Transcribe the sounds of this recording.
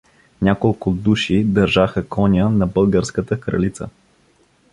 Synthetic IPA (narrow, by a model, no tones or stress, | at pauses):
nʲakolˠkʊd̪uʃid̪ɐɾʒaxəkʰɔnʲənɐbəlˠɡəɾskət̪əkɾɐ̰lit̪sə̰